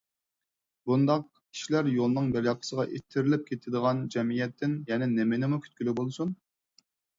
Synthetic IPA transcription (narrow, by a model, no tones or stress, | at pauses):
b̥und̪ɑq̚ | kʲʰi̥ʃilæɾjolˠnɨŋbɛljɑqʰə̥səʁɑʔet̪ʰːɪɾɪlɪp̚kʲʰet̪ʰɪd̪əʁɑnd͡ʒɛmijɛt̪ʰːɪnjɛnɛnemɪnɪmukʲʰy̥t̪kʲylybolˠsun